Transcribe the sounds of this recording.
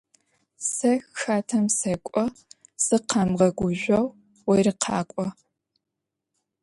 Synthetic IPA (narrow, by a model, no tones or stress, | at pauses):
sɐxxaːtʰɐmsɐkʷʼɔsɨqʰɐmʁɐɡʷʊʒʷɐw | wɐjrɨqʰɑ̰ːkʷʼɔ